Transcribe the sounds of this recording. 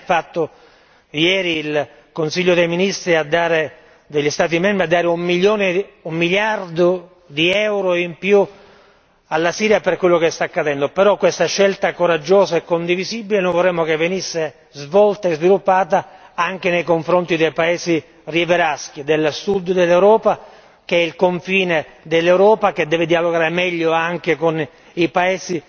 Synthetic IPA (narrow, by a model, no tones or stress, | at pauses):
fat̪ːo | jɛːɾiːl | konsiʎːod̪ejminist̪ɾiad̪ːaːɾe | d̪eʎːist̪aːt̪̬imɛmbɾiad̪ːaːɾeumːiljoːneumːiljard̪o | d̪iɛwɾoimpju | alːasiːɾjaperkwelːokest̪akːad̪ɛnd̪opeɾɔkːwest̪aʃːelt̪akoɾad͡ʒːoːzaekːond̪ivizibilenojvorːɛmːokevːenisːe | zvɔlt̪aezvilupːaːt̪aaŋk̟enejkoɱfɾont̪id̪ejpaeːsi | rjeveɾask̟id̪elsud̪d̪elːewɾɔːpa | keɛilkoɱfiːned̪elːewɾɔːpak̟ed̪ːɛːved̪ialoɡaːɾemɛʎːoaŋkekon | ipaeːsi